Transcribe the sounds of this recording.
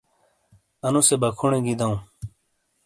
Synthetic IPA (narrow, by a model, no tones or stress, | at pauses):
ɐnũsebɐkʰuɳẽɡid̪aũ